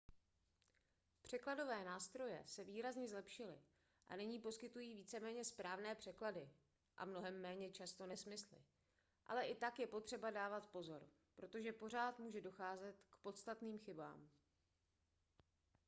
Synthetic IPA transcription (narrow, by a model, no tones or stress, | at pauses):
pr̝̥ɛklado̞vɛːnaːst̪ɾo̞jɛ̰sɛviːɾazɲɛzlɛpʃɪlɪ̰ | ʔa̰nɪɲiːpo̞skɪt̪ujiːviːt͡sɛmɛːɲɛspɾaːvnɛːpr̝̥ɛkladɪ | ʔa̰mno̞ɦɛmːɛːɲɛt͡ʃast̪o̞nɛsmɪslɪ̰ | ʔa̰lɛʔɪt̪akjɛpo̞t̪r̝̥ɛbadaːvat̪po̞zo̞ɾ | pɾo̞t̪o̞ʒɛpo̞r̝aːt̪muːʒɛdo̞xaːzɛt̪kpo̞t̪st̪at̪niːmxɪba̰ːm